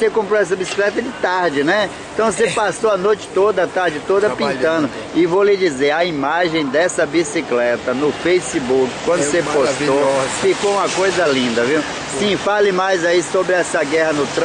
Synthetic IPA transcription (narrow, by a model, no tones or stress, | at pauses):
sekõmpɾoɛs̬ɐbisi̥klɛt̪ɐd͡ʒɪt̪aɾd͡ʒɪnɛẽt̪ɐ̃w̃s̬epasoɐnojt͡ʃɪ̥t̪od̪ɐɐt̪aɾd͡ʒɪt̪od̪ɐpĩt̪ɐ̃d̪ʊ | ɪvolɪd͡ʒizeɾɐimaʒẽj̃d̪ɛsɐbisiklɛt̪ɐnʊfejsibukɪ̥kwɐ̃d̪ʊseposofikoũmɐkojzɐlĩnd̪ɐviw | sĩfalɪmajzaisobɾɪɛsɐɡɛhɐnʊt̪ɾ